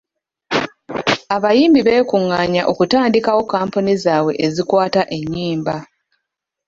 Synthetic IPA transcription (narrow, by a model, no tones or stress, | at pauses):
aβajiːmbiβe̞ːkuŋːaːɲaʔo̞kutaːndikawo̞kaːmpunizaːwe̞ʔezikwaːtaʔe̞ɲːiːmba